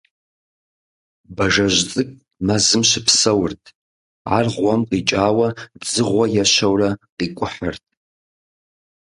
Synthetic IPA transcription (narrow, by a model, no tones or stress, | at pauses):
baʒaʒʷt͡sʼɨkʼ | mazɨmʃʷɪpʰsawʊrtʼ | a̰rʁʷamqʼit͡ʃʼaːwadzɨʁʷajaʃʷawraqʼikʷʼʊħə̰rtʼ